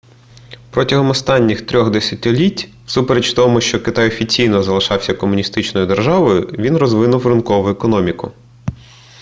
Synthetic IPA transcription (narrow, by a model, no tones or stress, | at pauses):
pɾɔtʲɐɦɔmɔst̪ɑnʲːixt̪ɾʲɔɣd̪esʲɐtʲɪlʲitʲ | wsupeɾet͡ʃft̪ɔmʊʃt͡ʃɔkɪt̪ɑjɔfʲit͡sʲijnɔzɐlˠɪʃɑwsʲɐkɔmʊnʲist̪ɪt͡ʃnɔjʊd̪erʒɑʋɔjʊʋʲinrɔzʋɪnʊwrɪnkɔʋʊɛkɔnɔmʲikʊ̰